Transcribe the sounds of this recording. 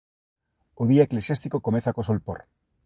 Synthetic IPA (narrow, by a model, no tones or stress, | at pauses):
oðiaeklesjast̪ikokomeθakosolpo̰ɾ